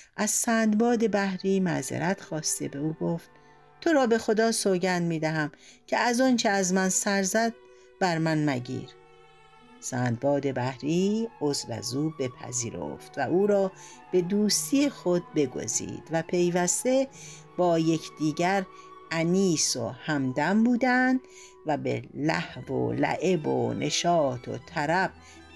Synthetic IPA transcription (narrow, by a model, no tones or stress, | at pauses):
ʔæz̥sæːnd̪bɒːd̪e̞bæhɾiːmæ̰zḛɾʔæt̪xɒːst̪e̞̰be̞uːɡo̞ft̪̚ | t̪ʰo̞ɾɒːbe̞xo̞d̪ɒːsoɟænd̪miːd̪æɦæmcʲʰeæzɒːnt͡ʃʰeæzmænsæɾzæd̪̚ | bæɾmænmæɟḭːɾ | sæːnd̪̚bɒːd̪e̞bæhɾiːozlæ̰zuːbe̞pʰæ̰ziːɾo̰ft̪væʔuːɾɒːb̥e̞d̪uːst̪ʰijexo̞d̪̚be̞ɡo̞̰zḭːd̪̥væpʰe̞jvæst̪e̞ | b̥ɒːje̞kʰd̪̥iːɟæɾ | æniːso̞̰hæmd̪æmbuːd̪ænd̪̥ | væbḛlæ̰hvo̰læ̰ʔe̞bo̰nʔe̞̰ʃɒːt̪ʰo̞̰t̪ʰæɾæb̥